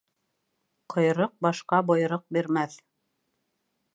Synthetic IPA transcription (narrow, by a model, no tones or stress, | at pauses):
qʰŏjɾɤq̚bɑʃqɑbŏjɾɤq̚biɾmæθ